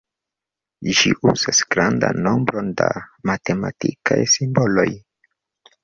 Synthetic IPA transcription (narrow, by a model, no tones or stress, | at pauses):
ʒiʔuz̥asɡɾanda̰nːo̞mbɾo̞ndamatematikʰajsimbolo̞j